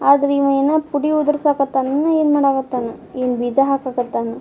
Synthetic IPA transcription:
aːd̪ɐɾimejnɐpuɽiud̪ɾsaːkɐt̪ːanɐnːɐeːnmaːɽaːɡɐt̪ːanɐeːnbid͡ʒaɦaːkaːkɐt̪ːanɐ

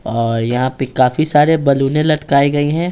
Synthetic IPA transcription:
ɔːɾjɐɦãpekaːfisaːɾebɐluːnẽlɐʈkaːiɡɐiɦɛ̃ː

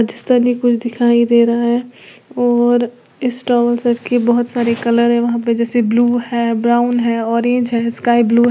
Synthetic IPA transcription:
d͡ʒɪst̪ənikʊt͡ʃʰd̪ɪkʰaːid̪eːɾaɦaɦɛːɔːɾ | ɪsʈaːʋəlsɐʈkebɐɦʊt̪saːɾekɐləɾɦɛ̃ʋɐɦãped͡ʒɛːsebluːhɛːbɾaːʊnɦɛːɔːɾẽːɲd͡ʒɦɛskaːibluːɦ

